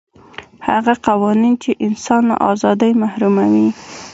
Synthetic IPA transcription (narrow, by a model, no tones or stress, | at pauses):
haɣaqawɑnint͡ʃeʔɪnsɑnla̰ʔɑ̰zɑd̪əjmahɾumawi